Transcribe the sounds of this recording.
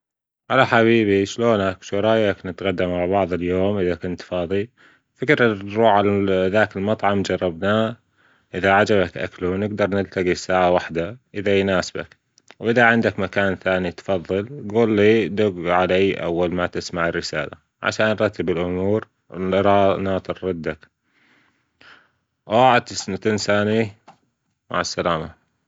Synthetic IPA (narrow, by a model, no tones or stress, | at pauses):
ʕalaħaβiːbiʃloːnakʃʊɾˤɑjaknɪt̪ɣad̪ːamaʕbɑʕðˤɨljoːmʔɪðakʊnt̪fɑːðˤi | fɪkɾɾuːʕalaðaːkɪlmɑt̪ˤʕɑmd͡ʒɑrˤːɑbnaː | ʔɪðaʕad͡ʒaβakʔa̰klunɪɡd̪ɑɾˤnɪlt̪aɡisaːʕawaħd̪aʔɪðajnaːsba̰k | wʔɪðaʕɪnd̪akmakaːnθaːnit̪fɑðˤːɨlɡuːlːiːd̪ʊɡʕalaːʔa̰wːalmat̪ɪsmaʕɪrːɪsaːla̰ | ʕa̰ʃaːnːɾˤɑt̪ʰːɪbɪlʔʊmuːɾ | lɾˤɑːnaːt̪rˤːɑd̪ːak | waʕad̪ɪsnt̪ɪnsaːni | ma̰ʕasːalaːma